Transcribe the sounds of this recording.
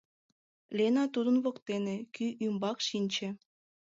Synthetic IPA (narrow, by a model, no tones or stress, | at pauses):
lʲenɑt̪ud̪ə̆nβokt̪enekyʔymbɑkʃinʲt͡ɕĕ